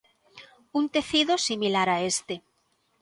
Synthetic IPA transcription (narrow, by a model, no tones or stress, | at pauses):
unt̪e̞θiðosimilaɾaest̪e